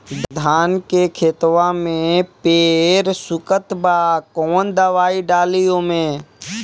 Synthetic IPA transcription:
d̪d̪ʱaːnkekʰeːt̪ʋãmẽpeːɾsʊkət̪baːkɔːnd̪əʋaːiɖaːlijõmẽ

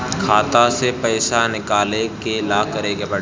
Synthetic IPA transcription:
kʰaːt̪asepɐːɪsanɪkaːlekelaːkɐɾeːɡebɐ

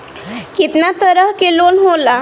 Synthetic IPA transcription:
kit̪nat̪əɾəɦkelonɦola

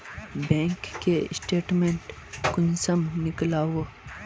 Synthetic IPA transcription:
bɛ̃ːŋkːeɪsʈeːʈmẽːɳʈkʊnsəmnɪklaːwo

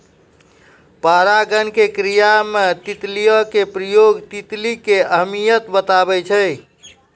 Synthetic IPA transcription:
paɾaɡənkekɾijamet̪it̪lijəkepɾəjoɡt̪it̪likeəɦmijət̪bət̪abɛt͡ʃʰəj

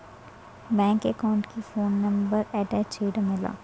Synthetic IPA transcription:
bɛ̃ːŋkekaːʊ̃ɳʈkifoːnːɐ̃mbəɾɛːʈɛːt͡ʃeːʈamɪla̰ː

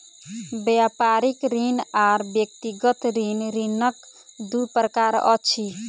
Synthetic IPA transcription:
bjapaɾikɾinaɾbjekt̪iɡət̪ɾinɾinʌkd̪upɾəkaɾɔ̰t͡ʃʰi

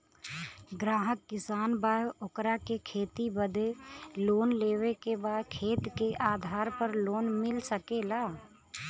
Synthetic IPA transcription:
ɡɾaːɦəkːɪsaːnbaːjʔokɾakekʰeːt̪ibəd̪ʱeloːnleːwekebaːd̪kʰeːt̪keʔaːd̪ʱaːɾpəɾloːnmɪlsəkelaː

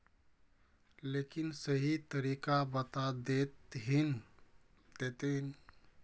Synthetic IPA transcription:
lekinsəɦit̪əɾikabət̪ad̪et̪ɦin | d̪̥et̪ɦin

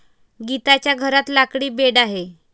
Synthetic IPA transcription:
ɡit̪at͡ɕjaɡʱəɾat̪lakɽiːbeɽaɦe

